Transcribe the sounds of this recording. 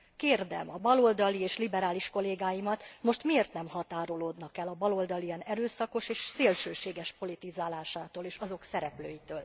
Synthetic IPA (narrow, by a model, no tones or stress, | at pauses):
keːrd̪ɛ̰mɒbɒlo̞ld̪ɒlieːʃlibɛɾaːliʃko̞leːɡaːjimɒt̪mo̞ʃt̪mieːrt̪nɛmhɒt̪aːɾo̞loːd̪nɒkɛlɒbɒlo̞ld̪ɒlijɛnɛɾøːsɒko̞ʃeːʃseːlʃøːʃeːɡɛʃpo̞lit̪izaːlaːʃaːt̪oːleːʃɒzo̞ksɛɾɛplø̰ːjit̪øːl